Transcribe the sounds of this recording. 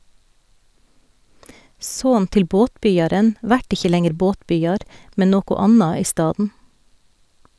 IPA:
ˈsoːn ˈtɪl ˈboːtˌbʏjɑɾən ˈʋæʈ ˈɪçə ˈlɛŋəɾ ˈboːtˌbʏjɑɾ ˈmɛ ˈnoːkʊ ˈɑnɑ ˈiː ˈstɑːdn̩

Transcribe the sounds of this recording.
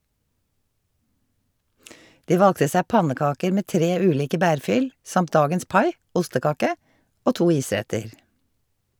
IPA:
ˈdiː ˈʋɑlɡtə ˈsæː ˈpɑnəˌkɑːkəɾ ˈmeː ˈtɾeː ˈʉːˌliːkə ˈbæːɹˌfʏl ˈsɑmt ˈdɑːɡəns ˈpɑɪ ˈʔʊstəˌkɑːkə ˈoː ˈtuː ˈiːˌsɾɛtəɹ

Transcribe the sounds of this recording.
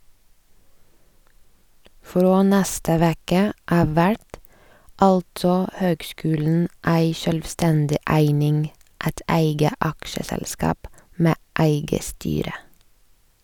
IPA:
ˈfɾoː ˈnæstə ˈʋeːkə ˈʔɑːʋ ˈʋæʈ ˈɑltsɔ ˈhøːɡˌskʉːln̩ ˈʔæɪ ʃœlʋˈstɛndɪ ˈʔæɪnɪŋ ˈæt ˈʔæɪɡə ˈʔɑkʃəsɛlˌskɑːp ˈmeː ˈʔæɪɡə ˈstyːɾə

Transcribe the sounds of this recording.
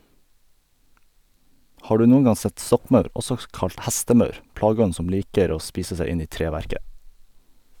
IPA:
ˈhɑː ˈɖʉː ˈnuːn̩ ˈɡɑ ˈsɛt ˈsɔkˌmœʉɾ ˈɔsɔ ˈkɑlt ˈhæstəˌmœʉɾ ˈplɑːˌɡɔn̩ ˈsɔm ˈliːkəɾ ˈoː ˈspiːsə ˈsæ ˈɪn ˈiː ˈtɾeːˌʋæɾkə

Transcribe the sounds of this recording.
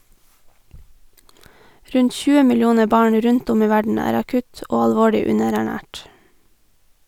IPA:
ˈɾʉɲt ˈçʉːə mɪlˈjuːnə ˈbɑːɳ ˈɾʉnt ˈʊm ˈiː ˈʋæɖɳ̩ ˈæːɾ ɑˈkʉt ˈoː ɑlˈʋoːɭʏ ˈʉnəɾæˌɳæːʈ

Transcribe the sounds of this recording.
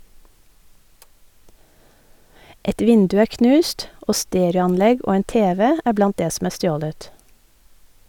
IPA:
ˈɛt ˈʋɪndʉ ˈæː ˈknʉːst ˈʔoː ˈsteːɾɑnˌlɛɡ ˈʔoː ˈeːn ˈteːʋɛ ˈæː ˈblɑnt ˈdeː sm̩ ˈæː ˈstjoːlət

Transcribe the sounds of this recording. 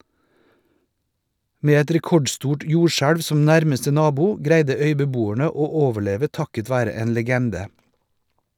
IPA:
ˈmeː ˈɛt ɾɛˈkɔɖˌstuːʈ ˈjuːʃæɽʋ ˈsɔm ˈnæɾməstə ˈnɑːbʊ ˈɡɾæɪdə ˈœʏbəˌbuːæɳə ˈoː ˈoːʋəˌɭeːʋə ˈtɑkət ˈʋæːɾə ˈeːn ləˈɡɛndə

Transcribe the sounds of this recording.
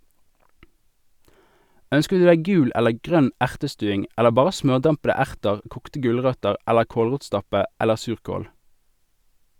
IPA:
ˈœnskə ˈdʉː ˈdæɪ ˈɡʉːl ˈɛləʁ ˈɡʁœn ˈæʁtəˌstʉːɪŋ ˈɛləʁ ˈbɑːʁə ˈsmœʁˌdɑmpədə ˈæʁtəʁ ˈkuːktə ˈɡʉlˌʁœtəʁ ˈɛləʁ ˈkoːlˌʁuːtˌstɑpə ˈɛləʁ ˈsʉːʁkoːl

